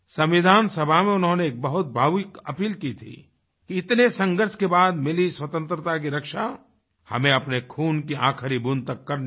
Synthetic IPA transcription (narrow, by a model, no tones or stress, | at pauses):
sɐ̃mʋɪd̪ʱaːnsɐbʱamẽʊnɦõneeːk̚bɐɦʊt̪̚bʱaːʋɪkɐ̰piːlkit̪ʰḭ | kiɪt̪nesə̃ŋɡəɾskebaːd̪mɪliswɐt̪ə̃nt̪ɾət̪ak̬iɾɐkʃa | hɐ̰mẽɐpnekʰuːnkiʔã̰ːkʰəɾibunt̪ɐkːɐɾn